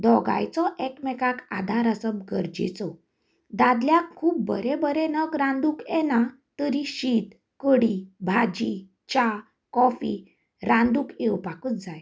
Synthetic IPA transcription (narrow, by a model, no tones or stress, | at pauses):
d̪ɔɡa̰jt͡sɔʔɛkmɛkakad̪ʱaɾəsəbɡəɾd͡ʑḛt͡sɔ | d̪ad̪ljakkʰːuːp̚ːə̰ɾɛbəɾɛnəkɾãnd̪ukɛna | t̪əɾiɕiːt̪ | kəɽibʱad͡ʑi | t͡ɕa | kɔfḭ | ɾãnd̪uːkewpakət͡sd͡zaj